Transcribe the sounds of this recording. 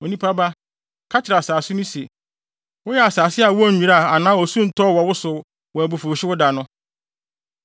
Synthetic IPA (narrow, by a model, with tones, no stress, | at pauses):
o˨nĩ˦pʰa˦ba˦ | kʰa˦t͡ɕʰɪ˨ɾa˨saː˨sʊ˦nʊ̃˦se˨ | wʊ˦jɛ˦˨a˨saː˨sɪ˦a˨wʊ˦æ˦˨ĩ˨ɾa˦˨a˨nãː˦ɔ˨sũ˦n̩˨tʰɔ˦˨wɔ˨wʊ˦sʊ˨˦ | wɔ˨æ˨bu˨fu˨ɕɪ˦wʊ˦da˨nʊ̃˦